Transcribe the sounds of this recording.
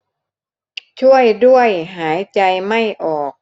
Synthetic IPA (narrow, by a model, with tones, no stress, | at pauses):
t͡ɕʰu˥˩əjdu˥˩əjɦaː˩˦jt͡ɕa˧jma˥˩jʔɔː˨˩k̚